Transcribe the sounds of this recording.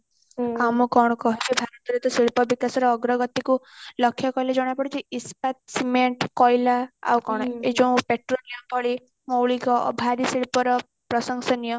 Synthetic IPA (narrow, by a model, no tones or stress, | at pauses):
amukɔɽ̃ɔkɔɦit͡ʃʰubʱaɾɔt̪ɔɾit̪ɔsiɭpɔbikasɔɾɔːɡɾɔɡɔt̪ikulɔkʰːjɔkɔjlad͡ʒɔɽ̃apɔɽit͡ʃʰiispat̪̚simeɳʈkɔjlaa̰wkɔɽ̃ɔed͡ʒɔ̃w̃peʈɾonijɔmpɔɭi | mowɭikɔ̰bʱaɾisiɭpɔɾɔ | pɾɔsɔŋsɔnijɔ